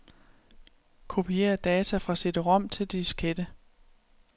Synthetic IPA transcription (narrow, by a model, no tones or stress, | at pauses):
kʰo̝pʰie̝̰ːɐd̥ɛːt͡sʰæfʁɑ̈sed̥əʁɒ̽m̰t͡sʰe̝ld̥isɡ̥ed̥ə